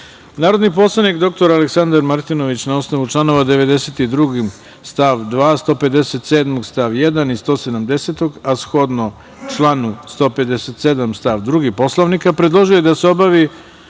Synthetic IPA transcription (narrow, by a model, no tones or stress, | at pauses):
naːɾo̞d̪nipo̞slˠanikd̪o̞k̚t̪o̞ɾaleksand̪aɾmaɾt̪inoʋit͡ɕnaosnoʋut͡ʂlˠano̞ʋad̪e̞ʋe̞d̪e̞set̪id̪ɾuɡi | st̪aʋd̪ʋaːst̪o̞ːpe̞d̪eset̪seːd̪moɡst̪aʋjed̪anist̪o̞ːse̞d̪amd̪e̞set̪o̞ɡasxo̞d̪no | t͡ʂlˠanust̪o̞ːpe̞d̪eset̪sed̪amst̪aʋd̪ɾuɡipo̞slˠoʋnikapɾed̪lˠo̞ʒiojed̪aseo̞baʋi